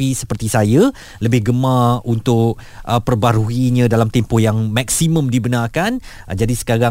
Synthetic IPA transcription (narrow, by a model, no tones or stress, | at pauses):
isə̥pərt̪isaja | ləbɪhɡəmaunt̪ʊk | ʔəpərbaɾuiɲãdalamt̪ɛmpʊhjaŋmak̚simə̃mdibənarkan | d͡ʒadisə̥kaɾa